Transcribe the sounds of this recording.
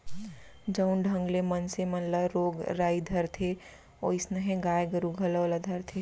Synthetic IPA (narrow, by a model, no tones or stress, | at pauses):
d͡ʒəʊnɖʱə̃ŋɡlemənsemənləɾoːɡɾaːid̪ʱəɾt̪ʰe | oɪsnəɦẽɡaːjɡəɾuɡʱələʋləd̪ʱəɾt̪ʰe